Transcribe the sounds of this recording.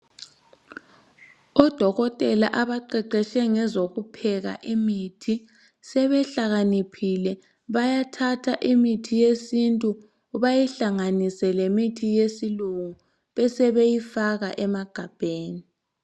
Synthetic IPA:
ɔd̥ʱɔɣɔtʼɛlaʔaβaǃɛǃɛʃɛŋɛzoɣupʰɛɣa̰ʔimitʰi | sɛβɛɬaɣanipʰilɛ | βajatʰatʰaʔimitʰijesintʼuː | βajiɬaŋanisɛlemitʰijesiluŋu | βɛsɛβejifaɣa̰ʔɛmaɡ̥ʱab̥ʱeːni

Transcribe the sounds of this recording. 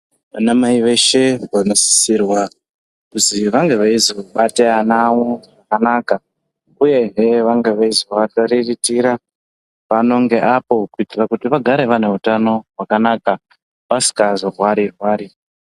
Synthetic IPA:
anamaiʋe̞ʃe̞ʋanosi̥sirwa | kuziʋaŋɡe̞ʋaiziaɓateanawoʐakanaka | uje̞ɦeʋaŋɡe̞ʋaiziaataɾiritiɾa | ʋano̞ŋɡe̞ʔapo̞kuitirakutiʋaɡʱaɾe̞ʋane̞ɦutano̞ɦwakanaːka | ʋasi̥kazorwaɾirwaːɾi

